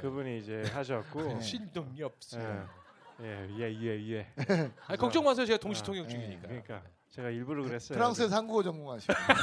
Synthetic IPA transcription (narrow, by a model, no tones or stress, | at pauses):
kɯbuɲiːd͡ʑe̞ɦaɕʰʌt̚k͈oɕʰindʌŋɲʌp̚s͈ | jejeieieakʌk̚t͡ɕ͈ʌŋmas̬ʰʌt͡ɕeɡatoŋɕʰi̥tʰoŋjʌkt͡ɕuɡiɲḭkk͈aɲik͈a | t͡ɕeɡaiɭbuɾɯɡɯɾes͈ʌpʰɯɾaŋks͈ʰes̬ʰanɡuɡʌd͡ʑʌŋɡoŋɦaɕʰi